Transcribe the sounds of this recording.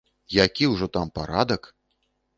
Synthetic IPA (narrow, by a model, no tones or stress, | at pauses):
jakʲiwʐɔt̪ampaɾa̰d̪ɐk